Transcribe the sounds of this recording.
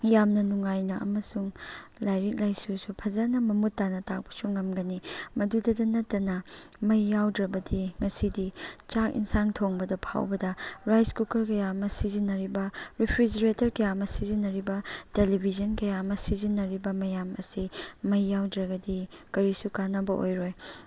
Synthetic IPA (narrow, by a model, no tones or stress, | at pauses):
jamnɐnuŋajnɐʔɐ̰mɐsuŋlajɾik̚lajsusupʰɐzɐnɐmɐmutːanɐtak̚pɐ̥suŋɐmɡɐnimɐdudɐdɐnɐtːɐnɐmɐjːawdɾɐbɐdiŋɐsidit͡ʃakḭnsaŋtʰoŋbɐdɐpʰa̰wbɐdɐɾajskukɐɾkɐjamɐsizinːɐɾibɐɾipʰɾid͡ʒɐɾetɐɾkɐjamɐsizinːɐɾibɐtelibʱizɐnkɐjamɐsizinːɐɾibɐmɐjamɐ̰simɐjːawdɾɐɡɐdi | kɐɾisukanɐbɐʔo̰jɾoj